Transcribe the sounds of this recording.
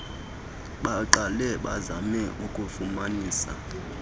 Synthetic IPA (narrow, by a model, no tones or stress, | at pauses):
ɓaǃalɛɓazamɛʔukʼufumaniːsa̰